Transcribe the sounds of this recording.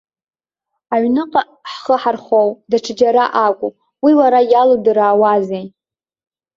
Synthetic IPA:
aɥnɨqʼa | ħχəħarχowdaʈ͡ʂʰɨd͡ʒaɾaʔakʷʼu | wiwaɾajalodɨɾaːwazej

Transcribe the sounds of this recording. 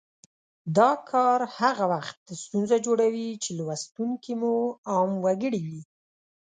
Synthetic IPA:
d̪ɑkʰɑɾhaɣawaxt̪̚əst̪unzad͡ʒoɽawit͡ʃelwast̪uŋkimuɑmwaɡəɽidi

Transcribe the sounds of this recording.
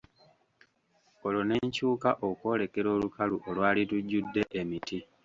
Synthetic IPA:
o̞lo̞ne̞ːɲcuːkaʔoko̞ːle̞ke̞ɾo̞ːlukaluʔolwaːlituɟːudːe̞ʔemitʰi

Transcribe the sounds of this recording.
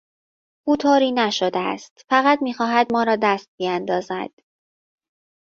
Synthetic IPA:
ʔuːt̪ʰoːɾiːnæʃod̪eæ̰st̪fæɣæt̪miːxɒːɦæd̪mɒːɾɒːd̪æst̪̚biænd̪ɒːzæ̰d̪̥

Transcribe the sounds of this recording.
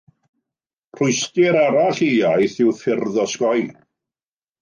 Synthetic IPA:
r̥ʊɨstɪɾaɾaɬiajθɪwfɪrðɔskɔj

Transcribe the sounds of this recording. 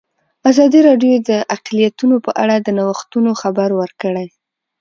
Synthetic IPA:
azɑd̪iɾɑɖjod̪əʔaqlijat̪unopəʔa̰ɽad̪ənawəxt̪unoxabaɾwəɾkəɽaj

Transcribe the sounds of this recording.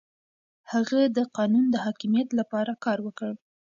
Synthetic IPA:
haɣad̪əqɑnund̪əhɑkimijat̪lapɑɾakɑɾwəkəɽ

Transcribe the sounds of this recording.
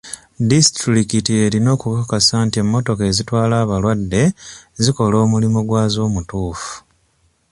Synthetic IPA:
distɾɾikitie̞ɾino̞ːkukakasaːntie̞mːo̞to̞ke̞zitwaːlaːβalwadːe̞ziko̞lo̞ːmulimuɡwaːzo̞ːmutuːfu̥

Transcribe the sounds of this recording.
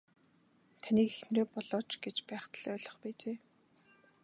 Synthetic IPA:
t̪ʰaniːkexn̆reːpɔɮɔːt͡ɕɡet͡ɕpæːχt̪ə̆ɮœːɮɞ̆χpæːt͡ɕeː

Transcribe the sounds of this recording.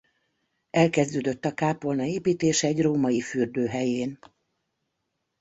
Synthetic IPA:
ɛlkɛzd̪øːd̪øt̪ːɒkaːpo̞lnɒeːpiːt̪eːʃɛɛɟroːmɒjifyːrd̪øːɦɛjeːn

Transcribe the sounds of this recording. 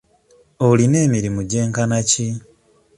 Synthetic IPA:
oline̞ːmiɾimuɟe̞ːŋkanaci

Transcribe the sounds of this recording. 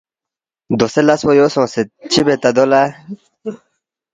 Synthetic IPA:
d̪oselɐswojosõːset͡ɕʰibet̪ad̪ola

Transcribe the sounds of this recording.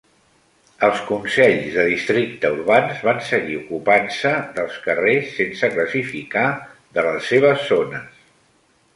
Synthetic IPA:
əlˠskunsɛʎzðəðist̪ɾik̚t̪əuɾβanzβansəɣiukupansəðəlˠskəresːensəkləsifikaðələsːeβ̞əzːonəs

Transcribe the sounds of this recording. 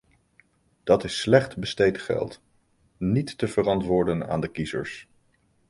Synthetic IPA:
d̥ɑtɪsːlɛχtbəstejtχɛ̰lˠt | nitːəvərɑntʋʊːɹdəna̰ːndəkizə̰ɹs

